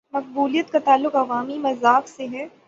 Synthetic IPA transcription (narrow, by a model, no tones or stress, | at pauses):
mɐq̚buːlijət̪kat̪aːlːʊkɐʋaːmimɐzaːkseɦɛː